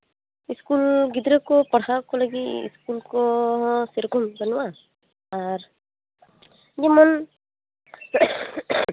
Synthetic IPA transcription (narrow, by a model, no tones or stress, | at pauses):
iskulɡid̪ɾɛkɔpɔɽakɔlaɡiḭskulkɔseɾkɔmbɔnɔwaː | ɾ | d͡ʒimɔn